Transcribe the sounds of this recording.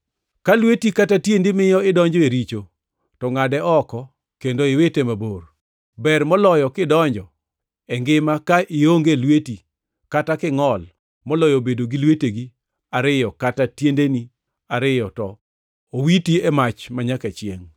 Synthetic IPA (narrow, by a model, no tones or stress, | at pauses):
kalwetikatatjendimɪjɔɪdɔɲd͡ʒɔeɾit͡ʃo | tɔŋadɛɔkɔ | kendoɪwetemabor | bɛrmɔlɔjɔkɪdɔɲd͡ʒɔ | ɛŋɡɪmakaʔɪoŋɡelweti | katakɪŋɔl | mɔlɔjobedoɡilweteɡi | aɾɪjɔkatatjendeni | aɾɪjɔtɔ | owitiɛmat͡ʃmaɲakɛt͡ʃɪeŋ